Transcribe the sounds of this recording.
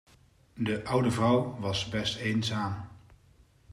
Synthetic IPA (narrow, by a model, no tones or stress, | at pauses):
dəʔʌwdəvrʌwʋɑsbɛstejnzaːm